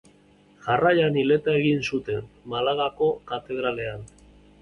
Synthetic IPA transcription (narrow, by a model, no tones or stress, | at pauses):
ʝarajanile̞t̪ae̞ɣinsut̪e̞nmalaɣako̞kat̪e̞ðɾale̞an